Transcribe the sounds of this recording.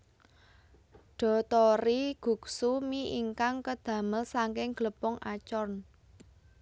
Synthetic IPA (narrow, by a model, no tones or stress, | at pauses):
ɖ̥ɔ̤t̪ɔɾiɡ̥ṳk̚sumiʔiŋkaŋkəd̪̥ä̤məlsaŋkɪŋɡ̥ləpɔŋat͡ʃɔn